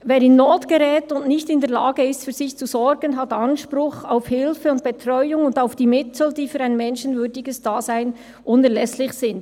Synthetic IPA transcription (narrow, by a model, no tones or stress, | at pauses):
veːɾɪnːoːtɡ̥əɾɛːtʊntnɪçtɪndɛːɐlaːɡəɪstfyːz̥ɪçt͡suzɔɹɡənɦatanʃpɾʊxaʊfhɪlfəʊnt̚b̥ɛtrɔʏʊŋʊndaʊfd̥iːmɪtʰl̩d̥iːfyːɾaɪnmɛnʃənvʏdɪɡəsd̥aːzaɪn | ʔʊnɛɾlɛslɪçsɪnt